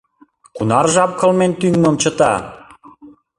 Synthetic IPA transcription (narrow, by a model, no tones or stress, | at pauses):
kunɑrʒɑp̚kɤ̆lment̪yŋməmt͡ɕə̆t̪ɑ̰